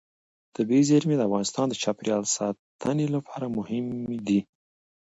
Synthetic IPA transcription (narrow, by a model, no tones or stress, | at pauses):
d̪̥əbezaɾmed̪əafɣɑnɪst̪ɑnd̪ət͡ʃapɾjɑlsɑt̪ʰənelapʰɑɾamʊhɪmd̪i